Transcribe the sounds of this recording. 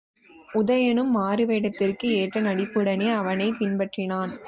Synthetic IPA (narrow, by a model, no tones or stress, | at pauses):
ʔʊðɐjɐnɯmːaːɾɯʋeːɽɐt̪ːɪrkɯeːʈrɐnɐɽɪpːɯɽɐneːɐʋɐnɐɪpɪnpɐʈrɪnaːn